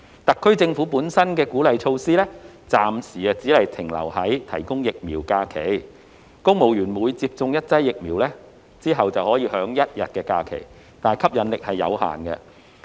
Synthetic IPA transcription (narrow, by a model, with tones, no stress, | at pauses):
t̪ɐ˨kʰːɵ˥ɥt͡sɪ˧ŋfuː˨˥puː˨˥nsɐ˥nkɛː˧kuː˨˥lɐ˨jt͡ʃʰo˧wsiː˥lɛː˥t͡saː˨msiː˨˩ɛ˧t͡siː˨˥lɐ˨˩jt̪ʰɪ˨˩ŋlɐ̰˨˩whɐ˨˥jt̪ʰɐ̰˨˩jkʊ˥ŋjɪ˨k̚miː˨˩wkaː˧kʰe˨˩j | kʊ˥ŋmo˨˩wjyː˨˩nmuː˨˧˥jt͡siː˧˥p̚t͡sʊ˧ŋjɐ˥t̚t͡sɐ˥jːɪ˨k̚miː˨˩wlɛː˥ | t͡siː˥ɦɐ˨wt͡sɐ˨whɔː˨˥jiː˧hœː˨˥ŋjɐ˥t̚jɐ̰˨t̚kɛː˧kaː˧kʰḛ˨˩j | t̪aː˨kʰɐ˥p̚jɐ˨˥nlɪ˨k̚hɐ˨jːɐ̰˨˧wha̰ː˨˩nkɛ̰˧